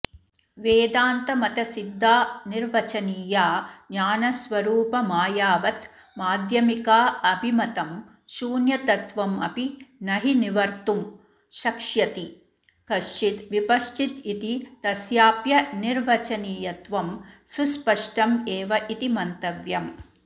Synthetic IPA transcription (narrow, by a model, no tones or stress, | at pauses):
ʋeːd̪aːnt̪ɐmɐt̪ɐsid̪ʱːaːniɾʋɐt͡ʃɐniːjaːnaːnɐsʋɐɾuːpɐmaːjaːʋɐt̪ | maːd̪ʱjɐmikaːɐbʱimɐt̪ɐm | ʃuːnjɐt̪ɐt̪ʋɐmɐ̰pinɐɦiniʋɐɾt̪um | ʃɐkʂjɐt̪i | kɐʃt͡ʃit̪ʋipɐʃt͡ʃit̪it̪it̪ɐsjaːpjɐniɾʋɐt͡ʃɐniːjɐt̪ʋɐmsuspɐʂʈɐmeːʋɐʔit̪imɐnt̪ɐʋjɐm